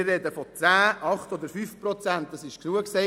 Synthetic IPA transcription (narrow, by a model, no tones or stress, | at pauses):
ɪrɛd̪əfɔt͡sæːʔɑχtɔd̪əɾfyfpɾɔt͡sænt̚d̥ɑsɪʃknuəksɛ